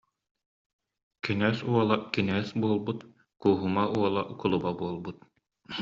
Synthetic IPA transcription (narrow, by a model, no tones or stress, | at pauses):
kinɛːsuɔlˠakinɛːsbuɔlˠbut̪ | kuːɦumauɔlˠaʔkulˠubabuɔlˠbut̪̚